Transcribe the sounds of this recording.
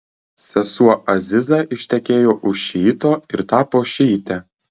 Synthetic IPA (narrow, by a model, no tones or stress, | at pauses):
sʲɛsuʔɐzʲɪzɑʔɪʃʲt̪ʲɛkʲeːjoːʔʊʃʃʲiːt̪oːɪɾt̪ɑːpoːʃʲiːt̪ʲɛ